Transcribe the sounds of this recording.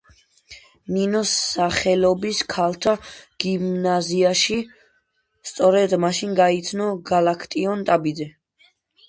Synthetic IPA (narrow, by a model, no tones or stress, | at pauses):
ninɔsːaχɛlɔbiskʰalt̪ʰaɡ̥imnaziaʃi | st̪sʼɔɾɛd̪maʃinɡait̪sʰnɔɡalakʰt̪ʼiɔnt̪ʼabid̪zɛ